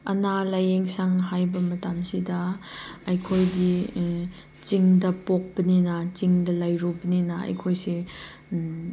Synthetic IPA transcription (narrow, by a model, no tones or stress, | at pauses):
ɐnalɐjeŋsaŋɦajbɐmɐtamsidɐɐjkʰojdi | t͡ʃiŋdɐpok̚bɐninɐt͡ʃiŋdɐlajɾubɐninɐɐ̰jkʰojsi